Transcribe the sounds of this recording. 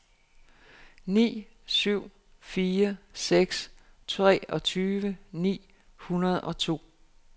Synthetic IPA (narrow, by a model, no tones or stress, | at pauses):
nḭː | syʊ̰ | fiːɐseɡ̥st͡sʰʁɛ̰ːɒ̽t͡sʰyːʋənḭː | hunɐð̞̩ˠɒ̽t͡sʰo̝̰ː